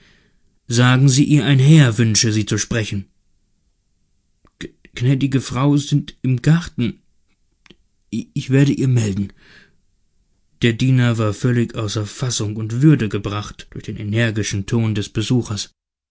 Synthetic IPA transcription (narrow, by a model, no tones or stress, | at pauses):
zaːɡŋ̩ziːʔiːɐʔaɪnɦɛːɐvʏnʃəziːt͡suʃpʁ̥ɛçn̩ | knɛːdɪɡəfʁ̥aʊzɪntɪmɡaʁtn̩ | ɪçv̥eːɐɾəʔiːɐmɛldn̩ | d̥eːɐdiːnɐvaːɐfœlɪçʔaʊsɐɐfasʊŋʊntv̥ʏɐdəɡəbʁaχtd̥ʊɐçd̥eːnʔenɛɐɡɪʃn̩tʰoːndɛsb̥əzuːxɐs